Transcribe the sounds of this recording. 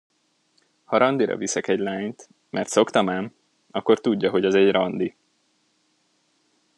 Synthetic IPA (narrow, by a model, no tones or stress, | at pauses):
hɒɾɒnd̪iɾɒ̰visɛkɛɟlaːɲt̪ | mʔɛrt̪so̞kt̪ɒmaːm | ɒkːo̞rt̪uɟːɒɦo̞ɟɛzɛɟrɒnd̪i